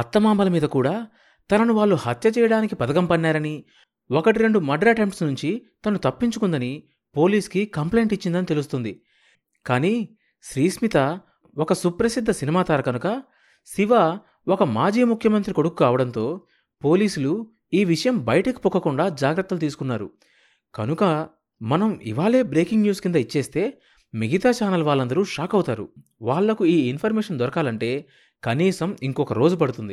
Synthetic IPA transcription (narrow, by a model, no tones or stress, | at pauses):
ɐt̪ːɐmaːmɐlɐmiːd̪ɐkuːɽaː | t̪ɐnɐnuʋaːɭːuhɐt̪jɐt͡ʃɛːjɐɽaːnikipɐd̪ɐɡɐmpɐnːaːɾɐni | okɐʈiɾe̞ɳɖumɐɖɾɐʈemʈsnuɲt͡ʃit̪ɐnut̪ɐpːiɲt͡ʃukund̪ɐni | po̞ːliːskikɐmple̞jɳʈit͡ʃːind̪ɐnit̪e̞lust̪und̪i | kaːniː | ʃɾiːsmit̪ɐ | ɔkɐsupɾɐsid̪ʱːɐsinimaːt̪aːɾɐkɐnukɐ | siʋaː | ɔkɐmaːd͡ʒiːmukʰjɐmɐnt̪ɾiko̞ɽukːaːʋɐɽɐnt̪o̞ː | po̞ːliːsulu | iːʋiʂɐjɐmbɐjɐʈɐki̥pukːɐkuɳɖaːd͡ʒaːɡɾɐt̪ːɐlt̪̬iːsu̥kunːaːɾṵ | kɐnukɐ | mɐnɐmḭʋaːɭe̞ːbɾe̞ːkiŋɡnjuːskind̪ɐit͡ʃːe̞ːst̪e̞ː | meɡit̪aːt͡ʃaːnɐlʋaːɭːɐnd̪ɐɾuʂaːkɐwt̪aːɾṵ | ʋaːɭːɐkuiːinpʰɐɾmɛːʂɐnd̪ɔɾɐkaːlɐɳʈe̞ː | kɐniːsɐmiŋkɔkɐɾo̞ːd͡ʒupɐɽut̪und̪i